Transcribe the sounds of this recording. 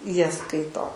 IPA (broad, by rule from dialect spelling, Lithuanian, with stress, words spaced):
ˈjiɛ ˈskɐɪtoː